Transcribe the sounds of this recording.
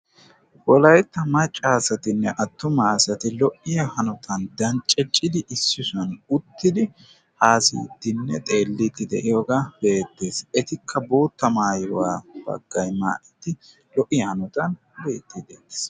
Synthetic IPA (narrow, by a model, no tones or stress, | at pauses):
wɔlɐjt̪ːɐmɐt͡ʃʼːaːsɐt̪ɪnːɛʔɐt̪ːʊmaːsɐt̪ɪlɔʔːɪjɐhɐnɔt̪ʰɐnd̪ɐnt͡ʃʼɛt͡ʃʼːɪd̪ɪʔɪsːɪsʊɐnʊt̪ːɪd̪ɪ | haːsḭːt̪ːɪnːɛt̪ʼe̞ːlːit̪ːɪd̪ɛʔɪjoɡabe̞ːt̪ːe̞ːsɛt̪ɪkʰːɐboːt̪ːɐmaːjɪwa̰ːb̥ɐ̰ɡ̥ːɐjma̰ːʔɪt̪ːɪ | lɔʔɪjɐhɐnɔt̪ɐn | beːt̪ːɪd̪eːe̥s